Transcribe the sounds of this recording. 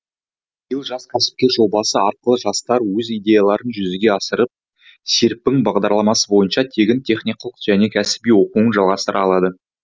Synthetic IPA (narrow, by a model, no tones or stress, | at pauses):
bijəlˠʒɑskʲʰæsɪ̥p̚kʲeɾʒo̞bɑsəɑɾqəlˠəʒɑst̪ɑɾwɵzijd̪ʲe̞jalˠɑɾənʒʏzɪɡʲe̞ɑsəɾəp̚ | seɾpːɪŋbɑʁd̪ɑɾlˠɑmɑsəbo̞jənʃɑt̪ʰeɡʲɪnt̪ʰe̞χnijqɑlˠəqʒ̥æne̞kʲʰæsɪ̥bijwo̞quənʒɑlˠʁɑst̪əɾɑlˠɑd̪ə